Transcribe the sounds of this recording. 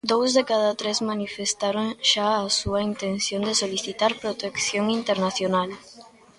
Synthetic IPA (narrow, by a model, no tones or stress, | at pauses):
d̪owzðekaðat̪ɾezmanifest̪aɾoŋʃaasuɐint̪en̟θjõnd̪esoliθit̪aɾpɾot̪ekθjoŋint̪eɾnaθjonal